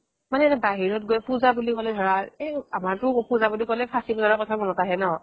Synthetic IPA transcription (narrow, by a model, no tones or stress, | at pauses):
manɛbaɦiɹɔt̚ɡojpuzabulikɔlɛdʱɔɹaeamaɹtʊpuzabulikɔlɛpʰasibɔzaɹɔkɔtʰamɔnɔtaɦɛnɔ